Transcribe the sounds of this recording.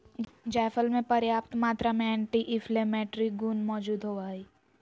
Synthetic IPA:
d͡ʒaːfʰəlmẽpɐɾjaːpt̪maːt̪ɾamẽɛ̃ːɳʈiʔɪflemɛːʈɾiɡuːnmɔːd͡ʒuːd̪ɦoaːiː

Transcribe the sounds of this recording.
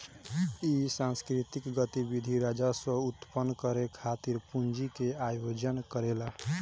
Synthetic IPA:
isãnskɾit̪ikɡət̪ibid̪ʱiɾad͡ʒasə̃ut̪pənːkəɾekʰat̪iɾpund͡ʒikeajod͡ʒənkəɾela

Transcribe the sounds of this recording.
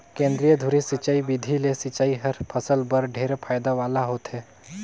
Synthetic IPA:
kẽːnd̪ɾijəd̪ʱʊɾisɪt͡ʃaːibid̪ʱilesɪt͡ʃaːiɦɐɾpʰəsəlbəɾɖʱeːɾepʰaːjd̪aʋaːlaɦoːt̪ɦɛː

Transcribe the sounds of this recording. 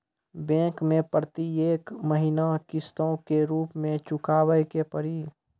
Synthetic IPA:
bɛ̃ːkmẽpɾət̪ieːkməɦinakɪst̪õkeɾuːpmẽt͡ʃʊkaːwəjkepəɾi

